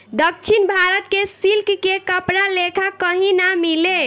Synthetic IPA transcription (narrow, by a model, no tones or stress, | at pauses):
d̪əkt͡ʃʰinbʱaɾət̪kesilkkekəpɾalekʰakəɦĩnamile